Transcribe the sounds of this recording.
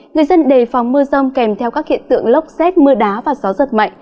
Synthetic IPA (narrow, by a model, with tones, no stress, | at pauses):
ŋɨ˨˩əjzə˧nɗe˨˩fa˨˩wŋ͡mmɨ˧əzə˧wŋ͡mkɛ˧˩mt̪ʰɛ˧wkaː˦˥k̚hḭ˧˨ənt̪ɨ̰˧˨əŋlə˦˥wk͡p̚sɛ˦˥t̚mɨ˧əɗaː˨˦vaː˨˩zɔ˨˦zə˨˩t̚ma̰˧˨jŋ̟